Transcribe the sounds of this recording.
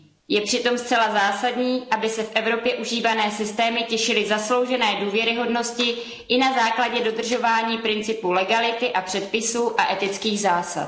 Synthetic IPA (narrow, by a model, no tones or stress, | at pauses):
jɛpr̝̥ɪt̪o̞mst̪t͡sɛlazaːsadɲiːʔabɪsɛfʔɛvɾo̞pjɛʔuʒiːvanɛːsɪst̪ɛːmɪcɛʃɪlɪzaslo̞wʒɛnɛːduːvjɛɾɪɦo̞dno̞scɪ | ʔɪnazaːklaɟɛdo̞d̪r̩ʒo̞vaːɲiːpɾɪnt͡sɪpulɛɡalɪt̪ɪʔapr̥ɛt̪̚pɪsuːʔaʔɛt̪ɪt͡skiːɣzaːsa̰t̪̚